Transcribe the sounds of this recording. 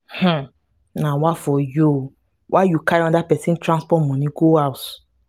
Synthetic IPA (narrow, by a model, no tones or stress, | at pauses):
hm̩ | nawafɔju | wʔajukaɾɔ̃ndapɛsĩntɾãnspɔtmɔ̃nĩɡoawt